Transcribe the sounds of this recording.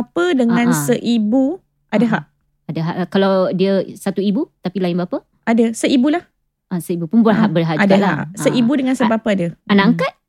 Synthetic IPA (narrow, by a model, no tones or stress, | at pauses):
apədəŋãnssəʔibu | ʔadəɦaʔ | adəɦaʔkalawdiəsat̪uibut̪apilaɪnbapə | ʔadəsəibulah | asəibupunbərɦaʔbərɦaʔʔad͡ʒdaa̰ʔsəʔibudəŋansəbapəadəanaaŋkat̪̚